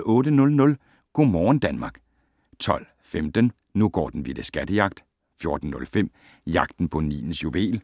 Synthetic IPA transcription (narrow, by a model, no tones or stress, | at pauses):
ɔ̽ːdənɔ̽lnɔ̽l | ɡ̥o̝ːmɒːn̩d̥ænmɑ̈ːɡ̥ | t͡sʰɒ̽l̰ | femd̥ən | nuɡ̥ɒ̰ːd̥n̩ʋid̥əsɡ̥æd̥əjɑ̈ɡ̥̚d̥ | fjo̝ɐd̥n̩ːɔ̽lfem̰ | jɑ̈ɡ̥̚d̥n̩pʰɔ̽nḭːn̩sjuʋe̝̰ːl